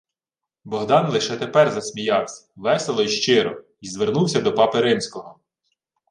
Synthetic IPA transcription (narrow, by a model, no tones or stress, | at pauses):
bɔɦd̪ɑnlˠɪʃɛt̪epɛrzɐsʲmʲijɑwsʲɐ̥ʋɛselˠɔiʃt͡ʃɪɾɔ | izʋernuwsʲɐd̪ɔpɑpeɾɪnʲsʲkɔɦɔ